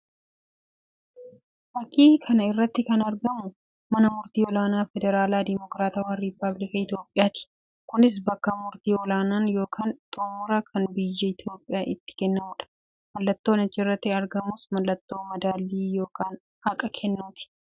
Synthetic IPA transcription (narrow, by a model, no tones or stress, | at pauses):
fɐkːiːkʰɐnɐɪrːɐt̪ːɪkɐnɐɾɡɐmʊ | mɐnɐmʊɾt̪iːɔlaːnaːfɛd̪ɛɾaːlaːd̪ɪmɔkɾaːt̪ɐwɐnɾɪpːɐblɪkɐɪt̪jo̞ːpʼːɪjaːt̪ɪ̥ | kʊnɪs̬bɐkːɐmʊɾt̪iːɔlaːnaːnjo̞ːkʰaːnt̪ʼoːmʊɾɐkʰɐnbɪjːɛɪt̪ʰjo̞ːpʼɪjaːʔɪt̪ːɪ̥kɛnːɐmuːᶑɐ̥ | mɐlːɐt̪ːoːnɐt͡ʃːɪrːɐt̪ːɪɐɾɡɐmʊsmɐlːɐt̪ːo̞ːmɐd̪aːlːiːjo̞ːkʰaːn | hɐkʼɐkʰɛnːuːt̪ɪ̥